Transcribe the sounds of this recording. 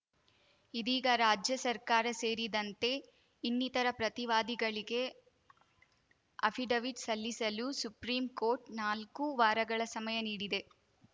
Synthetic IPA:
id̪iːɡɐɾaːd͡ʒjɐsɐɾkaːɾɐseːɾid̪ɐnt̪e̞ | inːit̪ɐɾɐpɾɐt̪iʋaːd̪iɡɐɭiɡe̞ | ɐ̰pʰiɖɐʋid͡ʒsɐlːisɐlusupɾiːmko̞ːɾʈnaːlkuʋaːɾɐɡɐɭɐsɐmɐjɐniːɽid̪e̞

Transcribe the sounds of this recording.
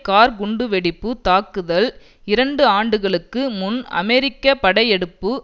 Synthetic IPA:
kaːɾɡʊɳɖɯʋɛɽɪpːɯt̪aːkːɯðɐl | ɪɾɐɳɖɯaːɳɖɯɣɐɭɯkːɯmʊnɐ̰mɛɾɪkːɐpɐɽɐjɛɽɯpːɯ

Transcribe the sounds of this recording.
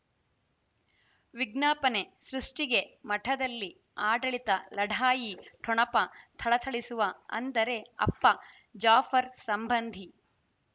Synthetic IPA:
ʋiɡnaːpɐne̞sɾuʂʈiɡe̞mɐʈʰɐd̪ɐlːi | aːɖɐɭit̪ɐlɐɖʱaːjiʈʰɔɳɐpɐt̪ʰɐɭɐt̪ʰɐɭisuʋɐɐ̰nd̪ɐɾe̞ɐ̰pːɐ | d͡ʒaːfɐɾsɐmbɐnd̪ʱi

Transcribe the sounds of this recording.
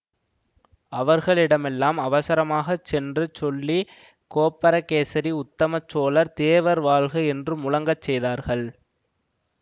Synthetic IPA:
ɐʋɐɾɣɐɭɪɽɐmɛlːaːmɐʋɐsɐɾɐmaːɣɐt͡ʃːɛndrɯt͡ʃɔlːi | koːpːɐɾɐkeːsɐɾiʊt̪ːɐmɐt͡ʃːoːlɐɾt̪eːʋɐɾʋaːɭɣɐɛndrɯmʊlɐŋɡɐt͡ʃːɛjðaːɾɣɐɭ

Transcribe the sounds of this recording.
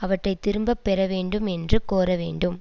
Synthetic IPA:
ɐʋɐʈrɐɪt̪ːɪɾɯmbɐpːɛɾɐʋeːɳɖɯmɛndrɯkoːɾɐʋḛːɳɖɯm

